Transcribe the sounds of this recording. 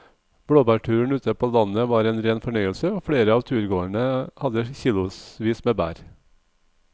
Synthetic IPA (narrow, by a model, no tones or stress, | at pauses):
b̥ɽoːbæʈʰʉːɳ̩ʉːt̪ʰəpʰoːlɑnəʋɑːɾeːnɾeːnfɔɳœʏəlsəoːfɽeːɾəɑːʋt̪ʰʉːɾɡoːɳəhɑd̪əçiːlʊsʋiːsmeːbæ̰ːɾ